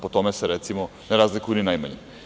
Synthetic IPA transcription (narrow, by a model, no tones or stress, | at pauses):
pot̪ɔmɛsɛɾɛt̪simɔ | naɾazlikuninajmaɲɛ